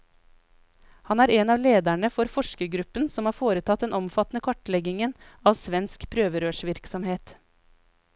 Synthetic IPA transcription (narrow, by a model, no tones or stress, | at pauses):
hɑnæːɾeːnɑːʋleːd̪æɳəfɔɾfɔʃkəɡɾʉpənsɔmhɑːɾfoːɾət̪ʰɑt̪̚d̪ɛnɔmfɑt̪nəkʰʋɑʈlɛɡɪŋənɑːʋsʋɛnskpʰɾøːʋəɾøːʃʋɪɾksɔmheːt̪